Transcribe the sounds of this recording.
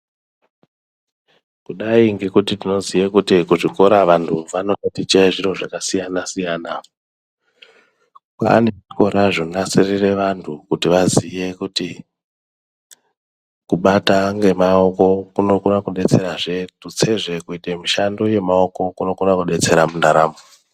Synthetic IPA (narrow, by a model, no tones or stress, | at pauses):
kuɗaiŋɡe̞kutitino̞zijekutikuʐiko̞ɾaʋantʰuʋano̞totit͡ʃaeʐiro̞ʐakasijanasijaːna | kwa̰ːneʐiko̞ɾaʐonasirire̞ʋantʰukutiʋazije̞kuti | kuɓataŋɡe̞mao̞ko̞kuno̞kunakuɗe̞t͡se̞ɾaʐe̞tut͡se̞ʐe̞kuitemiʃando̞je̞mao̞ko̞kuno̞kunakuɗe̞t͡se̞ɾamundaɾaːmo